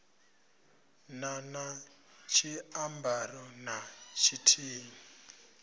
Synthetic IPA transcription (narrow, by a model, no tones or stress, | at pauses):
nana | t͡ʃʰiambarɔnat͡ʃʰitʰiːni